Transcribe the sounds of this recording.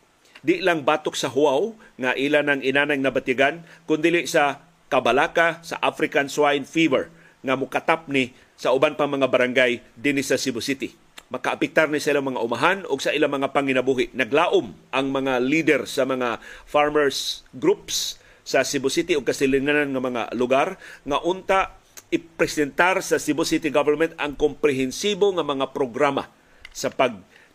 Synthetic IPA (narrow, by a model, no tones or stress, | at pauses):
d̪ɪʔlaŋbaːt̪oksɐɦʊaw | ŋaʔilanɐŋɪnaːnajŋnɐbat̪aɡankʊnd̪iːlɪsa | kɐbalaːkasa̰ʔafɾɪkanswajnfivɛɹ | ŋamʊkat̪ap̚nɪ | saʊbanpaŋmɐŋabaɾaŋɡajd̪inɪsɐsɪbʊsɪt̪ɪ | mɐkaʔapɛk̚t̪aɾnɪsaʔilaŋmɐŋaʔʊmaɦanʊɡsɐʔiːlamɐŋapaŋɪnɐbuɦɪʔnɐɡlaːʔʊmʔaŋmɐŋalid̪ɛɾsɐmɐŋafaɹmɛɹsɡɾupsː | ɐsɪbʊsɪt̪ɪʊɡ̚kɐsɪlɪŋananŋamɐŋa̰lʊɡaɾŋaʔʊnt̪a | ɪpɾɛsɛnt̪aɾsɐsɪbʊsɪt̪ɪɡavɛɾmɛnt̪aŋkompɾɛɦɛnsiboŋamɐŋapɾoɡɾama̰ | sapaɡ̚